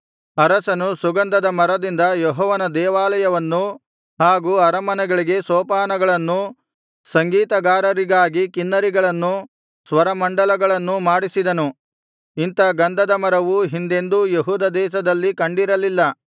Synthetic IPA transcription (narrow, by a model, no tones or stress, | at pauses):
ɐɾɐsɐnusuɡɐnd̪ɐd̪ɐmɐɾɐd̪ind̪ɐjɔɦɔːʋɐnɐd̪ɛːʋaːlɐjɐʋɐnːu | haːɡuɐɾɐmɐnɐɡɐɭiɡe̞sɔːpaːnɐɡɐɭɐnːu | sɐŋɡiːt̪ɐɡaːɾɐɾiɡaːɡikinːɐɾiɡɐɭɐnːu | sʋɐɾɐmɐɳɖɐlɐɡɐɭɐnːumaːɽisid̪ɐnu | int̪ɐɡɐnd̪ɐd̪ɐmɐɾɐʋuɦind̪e̞nd̪ujeɦuːd̪ɐd̪ɛːʃ̬ɐd̪ɐlːikɐɳɖiɾɐlilːɐ